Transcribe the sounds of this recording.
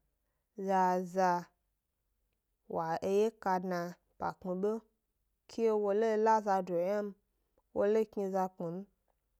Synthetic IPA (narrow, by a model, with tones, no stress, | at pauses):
za˧za˧ | wa˨e˧je˦ka˧dna˧ | pa̰˨k͡pi˨be˦ | kʰi˦je˦wo˧le˦la˦za˧do˨ja˦m̩˦ | wo˧le˦kɲi˧za˧k͡pi˨m̩˦